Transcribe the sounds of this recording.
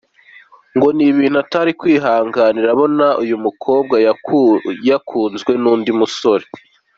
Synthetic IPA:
ŋɡo̞niβiːn̥uataɾikwiːɦaːŋɡaːniɾaβo̞naujumukʰo̞ːb̚ɡaj | jakʰuːnzɡwe̞nuːndimuso̞ɾe

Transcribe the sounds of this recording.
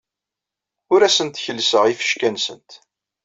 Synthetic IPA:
ʊɾæsənt̪çəlːsəʁifə̥ʃkænsə̰nt̪

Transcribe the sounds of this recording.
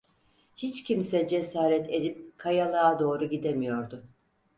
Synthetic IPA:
hit͡ʃcʰimsɛd͡ʒe̞saːɾɛt̪ʰe̞d̪ip̚kʰajalˠaːd̪o̞ːɾuɟid̪emijo̞ɾd̪ʊ

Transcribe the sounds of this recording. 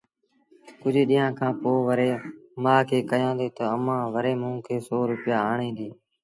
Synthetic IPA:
kʊd͡ʒʱɗĩːãːkʰãːpoːʋəɾeːmãːkʰeːkəjãːd̪eːt̪əəmãːʋəɾeːmũːkʰeːsoːɾʊpɪjaːaːɳẽːnd̪iː

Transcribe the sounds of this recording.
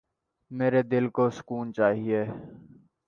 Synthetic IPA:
meːɾed̪ɪlkoːsʊ̥kuːnt͡ʃaːɦieː

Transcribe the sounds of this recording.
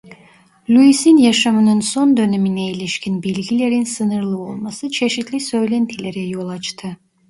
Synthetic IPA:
lʲuisinjaʃamɯnɯnso̞nd̪ø̞neminɛilʲiʃcʲʰinbilʲɡʲile̞ɾinsɯnɯɾlˠɯo̞lˠmasɯt͡ʃʰe̞ʃit̪lʲisø̞jlʲɛnt̪ʰilʲeɾɛjo̞lˠat͡ʃt̪ʰɯ

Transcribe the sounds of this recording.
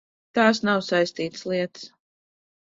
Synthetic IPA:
t̪aːsnawsajst̪iːt̪slˠiɛt̪ɨ̥s

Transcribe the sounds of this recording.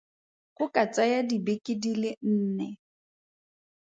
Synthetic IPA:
χʊkʼat͡sʼajadibekʼɪdilɪn̩ːnɛ

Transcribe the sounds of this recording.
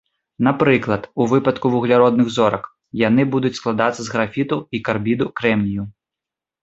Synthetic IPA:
napɾɨklˠɐt̪uvɨpɐt̪kuvuɣlʲaɾɔd̪̚nɨɣzɔɾɐk | janɨbud̪ut͡sʲsklˠad̪at̪sːɐzɣɾafʲit̪uikarbʲid̪ukɾɛmlʲiju

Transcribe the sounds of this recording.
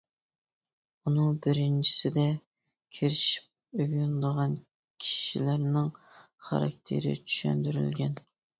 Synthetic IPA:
unɨŋbɪɾɪnt͡ʃʰi̥sɪd̪ɛ | kʲʰeɾɪʃi̥p̚øɡʲynd̪əʁɑn | kʲʰi̥ʃilæɾnɪŋ | χɑ̰ɾɑ̰k̚ʲt̪ʰḛɾɪ̰t͡ʃʰy̥ʃɛ̰nd̪yɾy̰lɡʲɛn

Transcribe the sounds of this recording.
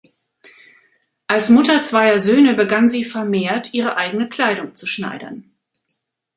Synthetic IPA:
ʔalsmʊtɐt͡sv̥aɪɐzøːnəbəɡanziːfɛɐmeːɐtʰʔiːʁ̞əʔaɪɡənəkʰl̥aɪɾʊŋt͡suʃna̰ɪdɐ̰n

